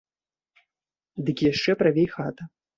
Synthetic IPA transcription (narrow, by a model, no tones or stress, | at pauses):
d̪ɨkʲijaʂt͡ʂɛpɾavʲejxat̪ɐ